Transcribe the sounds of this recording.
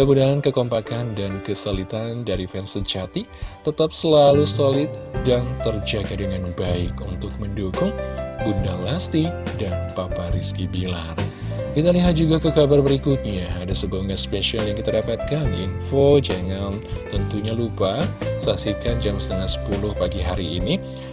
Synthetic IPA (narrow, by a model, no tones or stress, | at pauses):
kəbudaankəkɔmpakandankəsolit̪andaɾifɛnsəd͡ʒat̪it̪ət̪ap̚səlalusolɪt̪̚daŋt̪ərd͡ʒaɡadəŋanbaɪkunt̪ʊk̚məndukʊŋbundaŋlast̪idanpapaɾiskibilar | kit̪aliɦat̪̚d͡ʒuɡakəkabarbəɾikut̪̚ɲaːdasəbaŋaspasiɔnjaŋkit̪adapat̪̚kaninfod͡ʒaŋant̪ənt̪uɲalupasaksikand͡ʒamsə̥t̪əŋasə̥pulʊhpaɡiɦaɾiːni